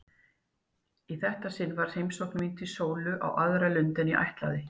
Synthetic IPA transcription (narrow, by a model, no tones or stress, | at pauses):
iθɛht̪asɪnːvaɾ̥hejmsowhknmint̪ʰɪsoːwlʏʔa̰wʔaðɾalʏnt̪ɪniʔa̰jht̪la̰ðɪ